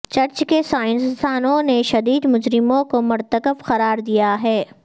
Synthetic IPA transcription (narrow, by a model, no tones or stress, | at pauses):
t͡ʃɐɾt͡ʃkesaːɪ̃nsst̪ʰaːnõneʃɐd̪iːd̪mʊd͡ʒɾɪmõkomʊɾt̪əkəfqɐɾaːɾd̪ijaɦɛː